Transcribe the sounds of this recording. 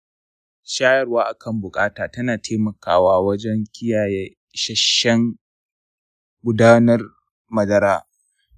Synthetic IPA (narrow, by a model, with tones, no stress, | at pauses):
ʃaː˦jɐ˦˨rwaː˦ʔa˨kʰɐ˦˨mbʊ˨kʼaː˦taː˨tɐ˦naː˨tʰeː˦mɐ˨kʰaː˨waː˦wɐ˦d͡ʒɛ˦ŋkʲʰɪ˦jaː˨jɛ˦ | ʃɐ˦ʃɛ˦ŋ | ɡʷʊ˦daː˦nɐ˦r | mɐ˨dɐ˦ɾaː˦